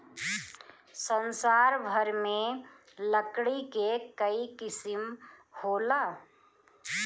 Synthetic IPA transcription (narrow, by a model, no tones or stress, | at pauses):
sənsaɾbʱəɾme | ləkɽikekəikɪsimhola